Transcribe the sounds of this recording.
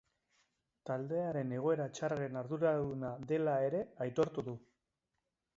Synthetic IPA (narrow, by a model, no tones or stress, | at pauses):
t̪ald̪e̞aɾe̞ne̞ɣ̞o̞e̞ɾat͡ʃaɾaɾe̞naɾðuɾaðunaðe̞lae̞ɾe̞ajt̪o̞ɾt̪uðu